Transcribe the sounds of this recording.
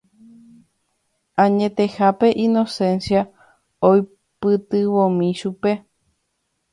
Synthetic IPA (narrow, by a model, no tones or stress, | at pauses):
ãɲẽ̞t̪e̞hape̞ʔĩnosẽ̞nsja | oj | pɨt̪ɨʋõmĩʃupe̞